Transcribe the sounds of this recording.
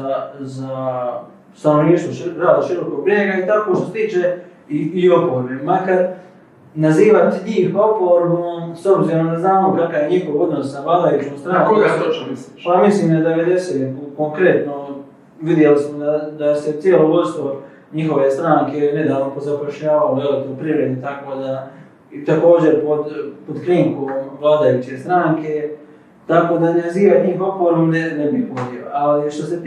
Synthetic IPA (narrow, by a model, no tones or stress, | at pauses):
aza | st̪anoʋniːʃt̪oʃɾaːd̪oʃiɾo̞kopɾieɡait̪akoːʃt̪oset̪iːt͡ʃe | iio̞poɾbemakaɾ | naziːʋat̪ɲiːxo̞poɾbomso̞bziɾomd̪aznaːmokakajeɲixoɡo̞d̪nosnabalajut͡ʃmost̪ɾaːŋkoɡast̪ot͡ʃmisipamisliːmad̪eʋed̪esekoŋkɾe̞t̪no | ʋid̪jelismod̪ad̪aset̪sieloːʋost̪o | ɲixo̞ʋe̞st̪ɾaːŋke̞ne̞d̪aːʋnopozapoʃʎaːʋaoʋelikopɾiʋɾed̪nit̪ako̞ːd̪a | t̪ako̞ːd͡ʑe̞ɾpod̪pod̪kɾiːŋkomʋlˠaːd̪ajut͡ɕe̞st̪ɾaːŋke̞ | t̪ako̞d̪aneziːʋat̪iːpopoɾomnenebipod̪ioaliʃt̪ose